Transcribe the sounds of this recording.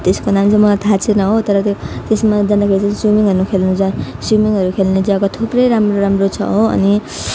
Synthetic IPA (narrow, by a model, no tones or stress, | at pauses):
t̪eskonamit͡sãmʌlat̪ʰat͡sʰenʌɦot̪ʌɾʌt̪jot̪esmad͡zʌnd̪akʰeɾit͡saĩsumiŋɦʌɾnukʰelnud͡zãsumiŋɦʌɾukʰelned͡zakat̪ʰuprʌjɾamroɾamrot͡sʰʌ̰ɦoʌ̰ni